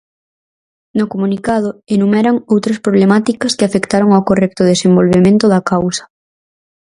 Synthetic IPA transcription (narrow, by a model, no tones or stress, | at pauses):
nʊkomũnikað̞ʊenumɛɾaŋowt̪ɾɐspɾoβlemat̪ikɐskɪafekt̪aɾoŋawkorɛk̚t̪ʊðesembolβemẽnt̪ʊðɐkawsɐ̥